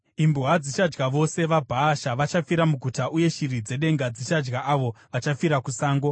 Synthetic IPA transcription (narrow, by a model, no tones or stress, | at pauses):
imbuɦad͡zit͡ʃad͡ʒɡaʋo̞se̞ʋabʱaːʃaʋat͡ʃafiɾamuɡʱutaʔuje̞ʃirid͡ze̞ɗe̞ŋɡad͡zit͡ʃad͡ʒɡaʔaʋo̞ʋat͡ʃafiɾakusaːŋɡo̞